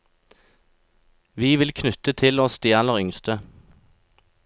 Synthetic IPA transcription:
ʋiːʋɪlkʰnʉt̪ət̪ʰɪlɔst̪jæːnəʁʏŋst̪ə

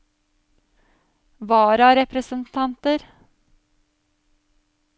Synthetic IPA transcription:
ʋɑːɾɑɾɛpɾəsənt̪ʰɑnt̪əɾ

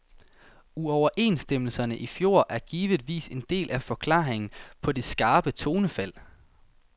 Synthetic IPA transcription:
uɒʊɐʔe̝̰ːnsd̥eml̩sɐnəʔifjo̝ɐ̰ʔæɐɡ̥iːʋəð̥ˠʋḭːse̝nd̥e̝̰ːlʔæfɒ̽kʰlɑ̰̈ːʁeŋn̩pʰɒ̽d̥e̝sɡ̥ɑ̈ːb̥ət͡sʰo̝ːnəfæl̰

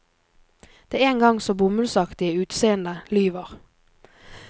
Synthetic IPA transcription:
d̪̥eːeːŋɡɑŋsoːbʊmʉlsɑkt̪ɪəʉːt̪seːənd̪əlyːʋəʁ

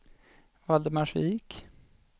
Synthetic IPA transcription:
vald̪əmaʂik

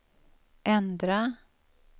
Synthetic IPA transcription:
ʔɛnd̪ɾa

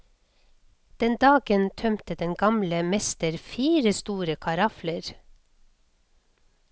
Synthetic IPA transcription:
d̪̥ɛnd̪ɑːɡənt̪ʰœmt̪əd̪ɛnɡɑmləmɛst̪əɾfiːɾəst̪uːɾəkʰɑɾɑfləɾ

